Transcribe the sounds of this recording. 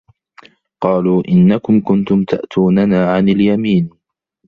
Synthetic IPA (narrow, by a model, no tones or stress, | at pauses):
qɑːluːʔɪnːakʊmkʊnt̪ʊmt̪a̰ʔt̪ʰuːnanaːʕanɪljamiːn